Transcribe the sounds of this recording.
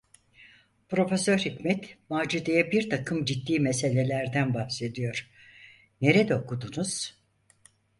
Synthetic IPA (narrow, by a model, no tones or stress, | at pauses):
pɾo̞fe̞søɾhicmɛt̪maːd͡ʒud̪ejɛbiɾt̪ʰakʰɯmd͡ʒit̪ːiːmese̞lʲe̞lʲæɾd̪ænbahse̞d̪ijo̞ɾ̥ | ne̞ɾed̪ɛokʰud̪unuz̥